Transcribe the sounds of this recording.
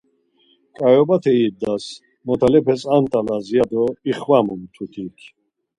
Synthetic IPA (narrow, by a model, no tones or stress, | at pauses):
kʼajɔbat̪ʰɛid̪ːas | mɔt̪ʰalɛpʰɛsant̪ʼalazijad̪ɔiχwamumt̪ʰut̪ʰikʰ